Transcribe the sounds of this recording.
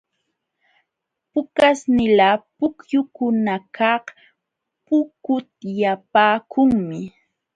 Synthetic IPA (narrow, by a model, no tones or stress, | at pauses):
pʊkasnɪlapʊkjʊkʊnakʰɑh | pʊkʊt̪ɪjapaːkʊŋmɪ